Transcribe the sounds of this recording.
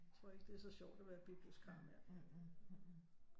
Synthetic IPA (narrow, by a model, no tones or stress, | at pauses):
t͡sʰʁɔ̝ɐ̰e̝ɡ̥əd̥e̝æɐsɒ̽ɕɒʊ̰d̥æʋæɐb̥ib̥l̩skʰɑ̈meɐ̰̥